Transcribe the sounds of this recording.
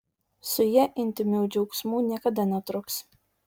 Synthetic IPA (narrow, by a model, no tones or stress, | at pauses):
sʊjɛʔɪnʲt̪ʲɪmʲuːd͡ʒʲɛʊksmuːnʲiɛkɐd̪ɐnʲɛt̪ɾʊks